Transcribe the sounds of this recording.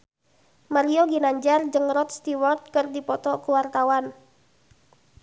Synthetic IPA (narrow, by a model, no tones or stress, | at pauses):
maɾioɡinaɲd͡ʒard͡ʒɨŋrɔt̪̚st̪iwɔrt̪̚kərdipɔt̪ɔkuwart̪awan